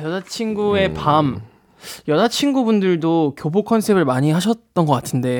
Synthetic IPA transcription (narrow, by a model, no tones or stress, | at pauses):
jʌdat͡ɕʰinɡue̞pam | jʌdat͡ɕʰinɡubundɯɭdokjobokʰʌnsʰe̞bɯɭmaɲiɦaɕʰʌt̚t͈ʌnɡʌk͈atʰɯnde̞